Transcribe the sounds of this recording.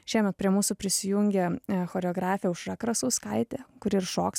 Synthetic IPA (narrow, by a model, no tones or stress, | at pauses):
ʃʲiɛmʲɛt̪pʲɾʲiɛmuːsʊpʲɾʲɪsʲɪjuŋʲɡʲɛxoːɾʲɛoːɡɾɑːfʲɪjɛʊʃɾɐkɾɐsuːskɐɪt̪ʲeːkʊɾʲɪɾʃoːks